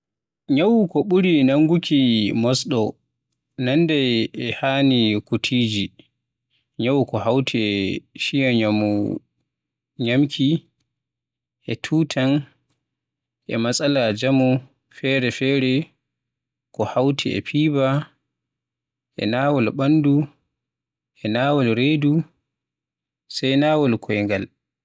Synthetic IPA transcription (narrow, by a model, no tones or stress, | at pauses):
ɲawukɔɓuɾinaŋɡukʰimɔsɗɔ | nanːdɛɛhanikutʰiːd͡ʒi | ɲawukɔhawtʰiʃijɔɲamṵ | ɲamkʰi | ʔɛtʰuːtʰan | ʔɛ̰masʼalad͡ʒamu | fɛːɾɛfɛːɾɛ | kɔhawtʰɛ̰ɛ̰pʰiːba | ʔɛ̰naːwɔlɓandu | ʔɛnaːwɔlɾeːdu | sajnaːwɔlkʰɔjŋɡal